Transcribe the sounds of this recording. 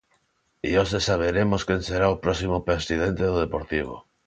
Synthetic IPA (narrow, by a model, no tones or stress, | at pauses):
ḭosesaβ̞eɾemoskenseɾaopɾɔsimopesið̞ẽnt̪eðoð̞epoɾt̪iβ̞o̰